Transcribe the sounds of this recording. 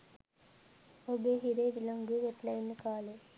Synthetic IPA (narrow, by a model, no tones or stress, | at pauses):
obeɦiɾeːd̪lɐŋɡɯʋeʈlɐjnkaːle